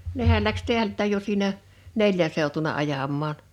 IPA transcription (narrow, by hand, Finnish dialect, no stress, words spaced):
nehæl læks teæltːæˑj jo siːnæ neljæn̞ seutunɑ ɑjɑmˑɑːn